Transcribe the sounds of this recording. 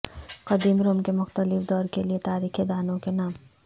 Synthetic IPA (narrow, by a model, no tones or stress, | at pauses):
qɐd̪iːmɾoːmkemʊxt̪əlɪfd̪ɔːɾkeliet̪aːɾiːked̪aːnõkenaːm